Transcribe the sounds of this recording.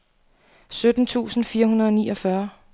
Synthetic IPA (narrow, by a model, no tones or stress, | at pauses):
sød̥n̩t͡sʰṵːsn̩fiːɐɦunɐðˠɒ̽niːʔɒfɶɐ